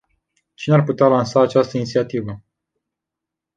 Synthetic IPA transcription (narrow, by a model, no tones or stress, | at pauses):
t͡ʃinearput̪ealansaːt͡ʃast̪əinit̪siat̪ivə